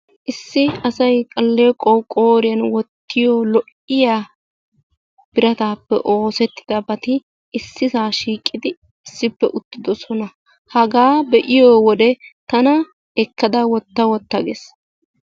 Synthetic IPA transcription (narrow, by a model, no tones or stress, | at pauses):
ʔɪsːɪɐsɐjkʼɐlːeːkʼːɔwkʼoːɾɪjɐnwɔt̪ːɪjoːlɔʔ | ɪjaː | b̥ɪɾɐt̪aːpːɛ̰ʔo̞ːsɛt̪ːɪ̥d̪ɐbɐt̪ɪ | ɪsːɪsaːʃiːkʼːɪd̪ɪ | ɪsːɪpːɛ̰ʔʊt̪ːɪd̪ɔsɔnɐ | hɐɡaːbɛʔɪjoːwɔd̪ɛt̪ɐnɐ | ɛkːɐd̪ɐwɔt̪ːɐwɔt̪ːɐɡes